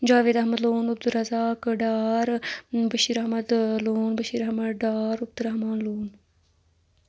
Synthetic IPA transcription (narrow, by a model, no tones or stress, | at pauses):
d͡ʒaːʋeːd̪ɐɦmɐd̪loːnʊb̚d̪uɾɐzaːkɖaːɾbɐʃiːɾɐɦmɐd̪loːnbɐʃiːɾɐhmɐɖaːɾʊb̚d̪uɾɐɦmaːnloːn